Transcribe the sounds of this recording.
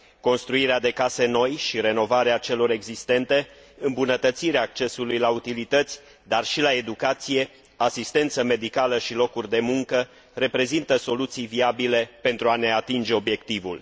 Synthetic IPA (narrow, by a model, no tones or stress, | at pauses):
ko̞nst̪ɾuiɾead̪e̞kase̞no̞jʃiɾe̞no̞vaɾeat͡ʃe̞lo̞ɾe̞ɡzist̪e̞nt̪e̞ | ɨmbunət̪ət̪siɾeaːk̚t͡ʃe̞sulujlaut̪ilit̪ət̪sʲ | d̪arʃilae̞d̪ukat̪sije̞ | asist̪e̞nt̪səme̞d̪ikaləʃilo̞kurʲd̪e̞muŋkə | re̞pɾe̞zint̪əso̞lut̪sijviabile̞pe̞nt̪ɾuane̞at̪ind͡ʒe̞o̞bje̞k̚t̪ivṵl